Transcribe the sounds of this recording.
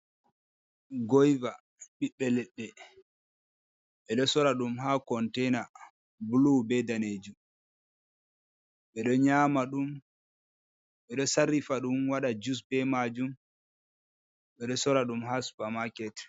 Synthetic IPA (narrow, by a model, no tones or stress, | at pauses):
ɡɔjva | ɓiɓːɛlɛɓːɛ | ɓɛɗɔsɔɾaɗumɦakɔntɛna | bulubɛdaned͡ʒu | ɓɛɗɔɲaːmaɗum | ɓɛɗɔsaɾifaɗumwaɗad͡ʒus̬bɛmad͡ʒum | ɓɛɗɔsɔɾaɗumɦaspamakɛt